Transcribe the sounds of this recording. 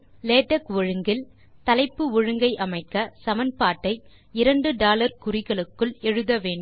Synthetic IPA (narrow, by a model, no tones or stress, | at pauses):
leːʈːɐkʋɔɻɯŋɡɪl | t̪ɐlɐɪpːɯʊɻɯŋɡɐɪʔɐmɐɪkːɐsɐmɐnpaːʈːɐɪ | ɪɾɐɳɖɯɖaːlɐɾkʊɾɪɣɐɭɯkːɯɭɛɻɯðɐʋeːɳɖ